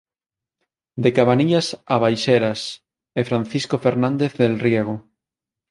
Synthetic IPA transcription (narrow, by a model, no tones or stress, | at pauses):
d̪ekaβaniʎasaβajʃeɾas | efɾanθiskofeɾnãnd̪eθðelrjeɣ̞o